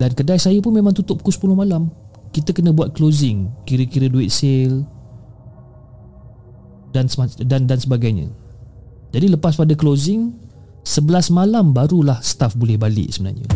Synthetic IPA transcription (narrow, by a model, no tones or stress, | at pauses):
dankədajsajəpʊnmemaŋt̪ut̪ʊp̚kʊspulʊhmalamkit̪əkənə̃buat̪̚klozɪŋkiɾəkiɾəduɪt̪̚sɪl | dansdandansəbaɡajɲə̰̃ | d͡ʒadiləpas̬padaklozɪŋ | səbəlasmalambaɾulahsə̥t̪afbolɛhbalɪ̰ʔsəbəna̰rɲə̰